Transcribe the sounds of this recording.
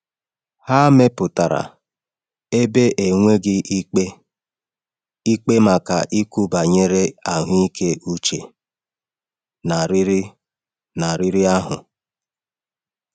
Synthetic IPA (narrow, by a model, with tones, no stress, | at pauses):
ha˦me˦pʊ˨ta˨ɾa̰˨ | e˦be˦ʔe˨ŋʷe˦ɡɪ˦ʔi˦k͡pe˦ | i˦k͡pe˦ma˨ka˨ʔi˦ku˦ba˨ɲe˦ɾe˦a˨ɦʊ˦i˦ke˦u˦t͡ʃe˨ | na˨ɾi˦ɾi˦ | na˨ɾi˦ɾi˦a˦ɦʊ̰˨